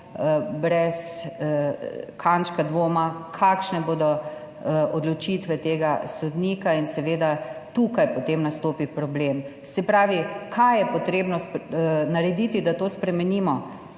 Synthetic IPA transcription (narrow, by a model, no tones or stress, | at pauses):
bɾɛs | kʰant͡ʃkad̪ʋoːmakʰakʃnɛboːd̪ɔ | ɔd̪lɔt͡ʃit̪ʋɛt̪eːɡasɔd̪niːkainsɛʋeːd̪at̪uːkajpɔt̪emnast̪oːpipɾɔblem | sɛpɾaːʋikʰajjɛpɔt̪ɾeːbnɔsnaɾɛd̪it̪id̪at̪oːspɾɛmɛniːmɔ